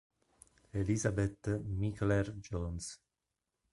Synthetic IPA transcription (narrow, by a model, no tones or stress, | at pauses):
elizabet̪ːmiklɛrd͡ʒɔns